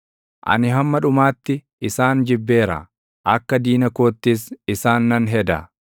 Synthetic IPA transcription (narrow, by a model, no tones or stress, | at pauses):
ʔɐ̰nɪɦɐmːɐᶑʊmaːt̪ːɪː | saːnd͡ʒɪbːe̞ːɾɐ̰ | ʔɐkːɐd̪iːnɐkoːt̪ːɪsɪsaːnːɐnɦɛd̪ɐ̰